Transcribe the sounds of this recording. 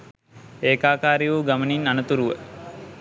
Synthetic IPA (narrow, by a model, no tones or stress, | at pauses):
eːkaːkaːɾijuɡaməninanət̪uɾuʋə